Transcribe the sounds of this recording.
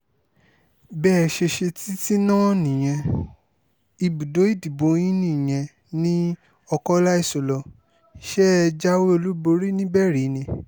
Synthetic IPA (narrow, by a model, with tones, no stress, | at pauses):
bɛː˦˨˧ʃe˧ʃe˧ti˦ti˦nã˦nĩ˨j̃ɛ̃˧ | i˧bu˨do˨˦i˦˨di˨bõ˨˦ĩ˦nĩ˦˨j̃ɛ̃˧ | nĩ˦ | ɔ˧kɔ˦la˦i˦˨so˨lɔ˧ | ʃɛ˦˧d͡ʒa˦we˦o˧lu˦bo˧ɾi˦nĩ˦bɛ˦˨ɾi˨˦nĩ˧